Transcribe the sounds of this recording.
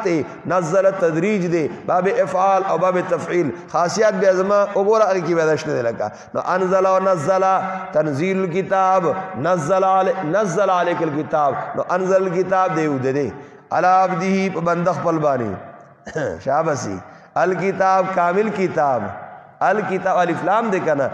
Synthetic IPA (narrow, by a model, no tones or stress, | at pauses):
t̪e | nɐzːɐlat̪ɐd̪ɾiːd͡ʒd̪ebaːbeʔɐfʕaːlɐwbaːbet̪ɐfʕiːlxaːsijat̪̚baːzɐmãʔoboɾaɐɣkibed̪aʃt̪ed̪elɐka̰ | no̰ʔɐnzɐlaonɐzːɐlat̪ɐnziːlulkit̪aːbnɐzːɐllnɐzːɐlaɐleːkɐlkit̪aːbno̰ʔɐnzɐlɐlkit̪aːb̚d̪eːud̪ed̪e | ɐ̰laːbd̪iɦipɐbɐnd̪ɐxpɐlbaːnḭ | ʃaːbɐsḭː | ɐlkit̪aːb̚kaːmilkit̪aːb | ɐlkit̪aːbɐliflaːmd̪ekɐna̰